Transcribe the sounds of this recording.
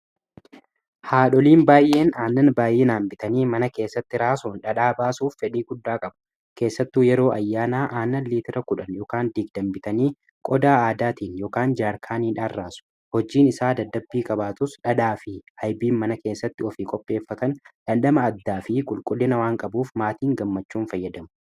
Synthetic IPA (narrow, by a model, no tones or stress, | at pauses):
haːᶑɔliːnbaːjʔːe̞ːnaːnːɐnbaːjeːnaːmbɪt̪ɐniːmɐnɐke̞ːsːɐt̪ːɪɾaːsuːnᶑɐᶑaːbaːsuːfːɛᶑiːɡʊd̪ːaːkʼɐbɐ | ke̞ːsːɐt̪ːuːjɛɾo̞ːʔɐjːaːnaːʔaːnːɐnliːt̪ɪɾɐkʊᶑɐnjɔːkaːnd̪iɡ̚d̪ɐmbɪt̪ɐniː | kʼɔd̪aːaːd̪aːt̪iːnjoːkaːnd͡ʒaːɾkʰaːniːᶑaːrraːsʊ̥ | hɔd͡ʒiːnɪsaːd̪ɐd̪ːɐbːiːkʼɐbaːt̪ʊsᶑɐᶑaːfɪhɐjbiːnmɐnɐke̞ːsːɐt̪ːɪɔfikʼɔpʼːe̞ːfːɐt̪ɐnᶑɐnɗɐmɐːd̪ːaːfɪkʼʊlkʼʊlːɪnɐwaːŋkʼɐbuːfmaːt̪iːŋɡɐmːɐt͡ʃːuːnfɐjːɐd̪ɐmʊ̥